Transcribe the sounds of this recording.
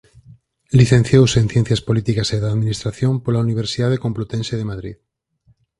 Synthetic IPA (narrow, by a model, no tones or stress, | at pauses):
liθẽn̟θjowsẽnθjen̟θjaɐspolit̪ikaseðaðminist̪ɾaθjompolauniβ̞eɾsiðaðekõmplot̪ẽnseðemaðɾḭð